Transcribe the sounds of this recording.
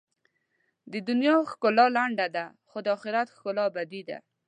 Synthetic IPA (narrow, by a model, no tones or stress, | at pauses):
d̪əd̪ʊnjɑxkolɑlaɳɖad̪a | xod̪əɑxɪɾat̪xkolɑbad̪id̪a̰